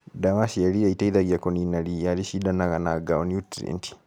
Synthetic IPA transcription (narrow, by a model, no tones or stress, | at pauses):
damaʃijalijaitaiðaɡjakoninalijaliʃidanaɣanaɡaonjutɾḛnti̥